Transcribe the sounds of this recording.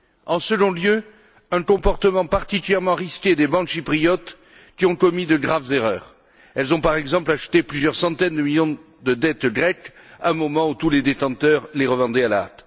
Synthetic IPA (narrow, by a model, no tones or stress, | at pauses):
ɑ̃səɡɔ̃ljø | ɛ̃kɔ̃pɔʁt̪əmɑ̃paʁt̪ikʲyljɛʁmɑ̃ʁiskʲed̪ebɑ̃kʃipχijɔt̪ | kʲiɔ̃kɔmid̪əɡʁavzeʁœːʁ | ɛlzɔ̃paʁɛɡzɑ̃plaʃt̪eplyzjœʁsɑ̃t̪ɛnd̪əmiljɔ̃ | d̪əd̪ɛt̪ɡʁɛk | ɛ̃mɔmɑ̃ut̪uled̪et̪ɑ̃t̪œʁleʁəvɑ̃d̪ɛalaa̰t̪